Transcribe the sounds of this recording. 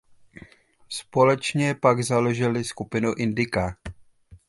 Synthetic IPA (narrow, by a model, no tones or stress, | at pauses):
spo̞lɛt͡ʃɲɛpaɡzaloʒɪlɪskupɪnuʔɪndɪka